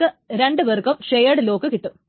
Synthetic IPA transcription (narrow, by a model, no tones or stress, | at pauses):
ɨɾe̞ɳɖɨʋerkɐmʂejɐɽɨlo̞ːkːɨkiʈːu